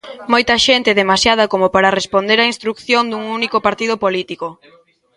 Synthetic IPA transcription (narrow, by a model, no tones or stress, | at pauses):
mojt̪ɐʃent̪ɪeðemasjað̞ɐkomʊpaɾarespond̪eɾainst̪ɾukθjond̪uŋunikopaɾt̪ið̞ʊpolit̪iko